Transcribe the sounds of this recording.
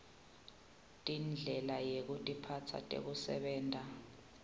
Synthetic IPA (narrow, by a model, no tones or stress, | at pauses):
tʼind͡ɮʱɛlajek̬utʼipʰatʰa̰tʼḛk̬usɛ̰ɓɛːntʼa